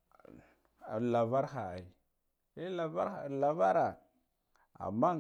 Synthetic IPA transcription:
a˨la˨va˦ɾxa˨a̰˨i˨ | e˦la˨va˦ɾa˨la˨va˦ɾa˨ | a̰˨mːa˦

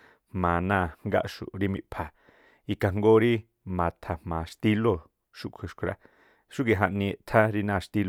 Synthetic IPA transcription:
hmãː˨nãː˧˨ŋŋɡa̰˦ʔʃṵ˨ɾi˦mĩ˧ʔpʰa˨ | i˧ka˨ŋɡo˦ɾi˦ | mã˨t̪ʰa˨hmãː˨ʂt̪i˦lo˦˨ | ʃu˧kʷʰɨ˨ʃkʷʰɾa̰˧ | ʃu˦ɡi˧˨ɦã˧ʔnĩ˧e˧ʔt̪ʰa˦ɾi˧nãː˧˨ʃt̪i˦l

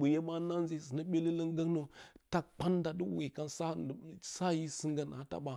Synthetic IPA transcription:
ɓu˨je˦ma˦na˦nzi˦˨si˨na˦ɓʲe˦li˦lə˦ŋɡa˦kno˦ta˦k̚k͡pa˦nda˨di˦wṵ˨ɣi˨ka˦nsa˦˨sa˦ji˦si˦ŋɡa˦na̰˨a˦ta̰˨ɓa˦

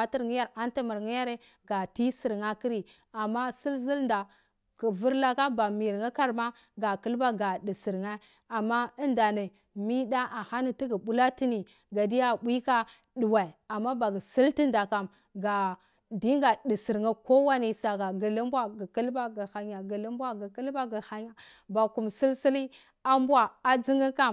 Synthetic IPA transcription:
a˦ti˦ɾŋi˦ja˦ɾa˦nta˦ma˨ɾŋi˦ja˦ɾe˦ | ɡa˨ti˦si˨ɾŋa˦ki˦ɾi˨ | a˨mːa˦si˦lzi˦lnda˨ | kə˨vu˦ɾla˦ka˦ba˨mi˨ŋa˦ka˦ɾma˦ | ɡa˨ki˦lba˦ɡa˨di˨si˨ɾŋa˦ | a˨mːa˦ə˦nda˨ne˨ | mi˦da˦ʔa˨ha˦ni˦ti˦ɡi˨bu˦la˦ti˦ni˨ | ɡa˨di˦ja˦˨bʷi˦ka˦ | ɗu˨wa˨i˨a˨mːa˦ba˨ɡə˨si˦lti˦nda˨ka˨m | ɡa˨ | di˦ŋ˦ɡa˨di˨si˨ɾŋa˦ko˦wa˦ni˦˨sa˨ɡa˨ɡə˨lə˦mbwa˦ɡə˨kə˦lba˦ɡə˨ha˨ɲa˨ɡə˨lə˦mbʷa˦ɡi˨kə˦lba˦ɡə˨ha˦ɲa˨ | ba˨ku˨msi˦lsi˦li˦ | a˦mba˨a˨d͡zi˦ŋɡi˦ka˦

